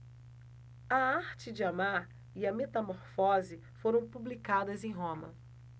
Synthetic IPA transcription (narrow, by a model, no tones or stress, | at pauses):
ɐaɾt͡ʃɪd͡ʒɪamaɾ | iɐmet̪ɐmoɾfɔzɪ | foɾɐ̃w̃publikad̪ɐzẽj̃ɦõmɐ̰